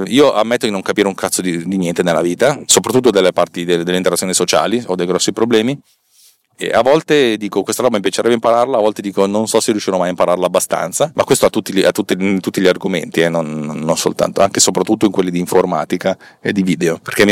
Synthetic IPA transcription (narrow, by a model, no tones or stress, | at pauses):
iːoʔamːet̪ːod̪inoŋkapiːɾeuŋkʰat̪sod̪id̪injɛnt̪enelːaviːt̪asopɾat̪ːut̪ːod̪elːepart̪id̪ed̪elːeint̪eɾat̪sjoːnisot͡ʃa̰ːliod̪ːejɡɾɔsːipɾoblɛːmi | ḛavːɔlt̪ed̪iːkokwest̪aɾɔbːamipjat͡ʃeɾɛbːeimpaɾarlaːvɔlt̪ed̪iːkononsɔserːjuʃːiɾnmajaimpaɾarlaːbːast̪a̰nt̪samakwest̪oat̪ːut̪ːiliat̪ːut̪ːiint̪ut̪ːiʎiarɡomḛnt̪ienːonːonso̰lt̪a̰nt̪oaŋkesopɾat̪ːut̪ːoiŋkwelːid̪iːɱforma̰ːt̪ika | ed̪iviːd̪eoperk̟emː